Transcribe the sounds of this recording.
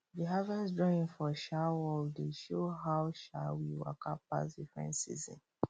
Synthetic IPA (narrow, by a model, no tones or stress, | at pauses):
biɦavɛdɹɔĩnfɔʃawɔldeʃoɦaʊʃa̰wiwa̰kʰappa̰sdifɹɛ̰̃ntsḭzɔ̰̃n